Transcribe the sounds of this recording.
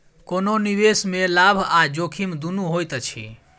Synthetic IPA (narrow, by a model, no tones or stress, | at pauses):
kononiβesmelabʱad͡ʒokʰimd̪unuɦojt̪t͡ʃʰḭ